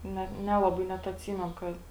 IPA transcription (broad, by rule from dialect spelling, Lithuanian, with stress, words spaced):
ˈnʲɛt ˈnʲæːlˠɐˌbɐɪ ˈnʲɛt ɐtʲˈsʲiːmʲɛnʊ ˈkɐt